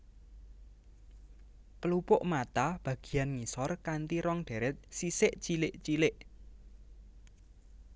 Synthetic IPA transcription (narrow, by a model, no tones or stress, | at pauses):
pəlupʊʔmat̪ab̥ä̤ɡ̥i̤janŋisɔrkant̪iɾɔŋɖ̪̥ɛ̤ɾɛt̪̚sisɪʔt͡ʃilɪʔt͡ʃilɪʔ